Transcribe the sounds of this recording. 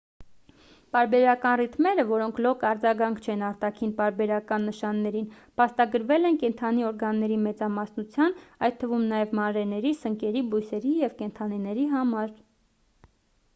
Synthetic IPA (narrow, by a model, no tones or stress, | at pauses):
p̪ɑɾbɛɾɑkɑnrit̪mɛɾəvɔɾɔŋkʰlɔkɑɾd͡zɑɡɑŋkʰt͡ʃʰɛnɑɾt̪ɑkʰinpɑɾbɛɾɑkɑnːəʃɑnːɛɾin | pʰɑst̪ɑɡəɾvɛlɛnkɛnt̪ʰɑniɔɾɡɑnːɛɾimɛt͡sɑmɑsnut͡sʰjɑnɑj̪̚t̪ʰːəvumnɑjɛvmɑnɾɛnɛɾisəŋkɛɾibujsɛɾijɛvkɛnt̪ʰɑnɛnɛɾiɦɑmɑɾ